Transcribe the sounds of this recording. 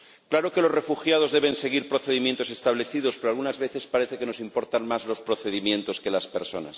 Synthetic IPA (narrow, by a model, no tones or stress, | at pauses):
klaɾo̞ke̞lo̞re̞fuxjað̞o̞zðe̞βe̞nse̞ɣiɾpɾo̞θe̞ð̞imjent̪o̞se̞st̪aβle̞θið̞o̞spe̞ɾoalɣunazβe̞θe̞spaɾe̞θeke̞no̞simpo̞ɾt̪anmazlo̞spɾo̞θe̞ðimjẽ̞nt̪o̞ske̞laspe̞ɾso̞na̰s